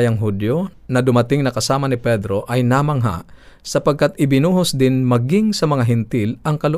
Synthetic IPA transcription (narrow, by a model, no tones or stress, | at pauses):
jɐŋɦud̪jonɐd̪ʊmɐt̪ɪŋnɐkɐsaːmɐnɪpɛd̪ɾo̞ʔɐjnamɐŋɦa̰ʔsɐpɐɡ̚kat̪̚ʔɪbɪnuːɦosd̪ɪnmɐɡɪŋsɐmɐŋaɦɪnt̪ɪlʔɐŋkɐlʊ